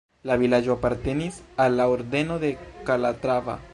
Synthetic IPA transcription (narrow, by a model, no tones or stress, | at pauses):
laβilad͡ʒoapaɾt̪enisalaoɾd̪enoðekalat̪ɾaβa̰